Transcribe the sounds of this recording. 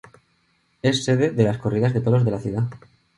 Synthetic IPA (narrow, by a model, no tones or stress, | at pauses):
e̞sːe̞ðe̞ðe̞lasko̞riðazðe̞t̪olo̞zðe̞laθjuða